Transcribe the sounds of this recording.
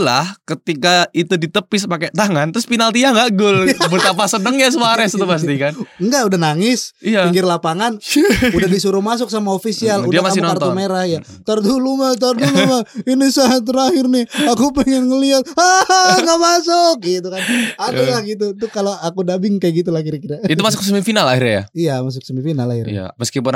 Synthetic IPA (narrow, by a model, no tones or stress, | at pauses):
la̰hkət̪ikait̪udit̪əpɪspakat̪aŋant̪ɾʊspinalt̪iaŋɡaʔɡʊlbət̪apasənəŋjas̬əaɾɛst̪upas̬ikanŋɡaʔudahnaŋɪsiaiŋɡɪrlapaŋanudahdisuɾumas̬ʊk̚samaofisialudiamaamnart̪omeɾahjat̪ərdulumat̪̬ərdulumainisaŋat̪̬ːəɾahɪrnɪhakupɛŋɛnŋəliat̪̚aɡamasʊk̚it̪ukanaalahɡit̪̬ut̪ukaloakudabɪŋkajaɡit̪̬ulahkiɾakiɾait̪umas̬ʊk̚səmifinalairɲa̰ja̰ijamas̬ʊk̚səmifinala̰hḭra̰a̰məskipʊn